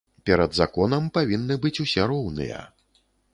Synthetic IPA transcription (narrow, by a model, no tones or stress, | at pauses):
pʲɛɾɐd̪za̰kɔnɐmpavʲinːɨbɨt͡sʲusʲɛɾɔwnɨ̰jɐ̰